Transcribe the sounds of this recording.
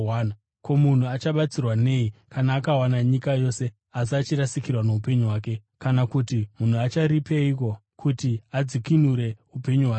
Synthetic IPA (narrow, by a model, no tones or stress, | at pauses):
wan | ko̞mun̤uat͡ʃaɓat͡sirwane̞ːikʰanaːkawanaɲikajo̞se̞ | as̬iat͡ʃirasikirwane̞upe̞ɲuɦwaːk̬e̞ | kanakutimun̤uat͡ʃaɾipe̞ik̬o̞kʰutiad͡zikinuɾe̞upe̞ɲuwaː